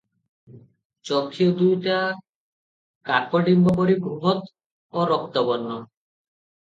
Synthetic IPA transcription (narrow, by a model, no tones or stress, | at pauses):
t͡ɕɔkʰːiod̪ujʈa | kakoɖimbɔboɾiɡɾuɦot̪ | oɾɔk̚t̪obɔnːo